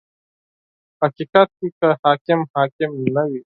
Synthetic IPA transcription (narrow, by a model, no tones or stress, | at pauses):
hɐkikat̪̚kiːkəhakɪmhaːkɪmnɐʋi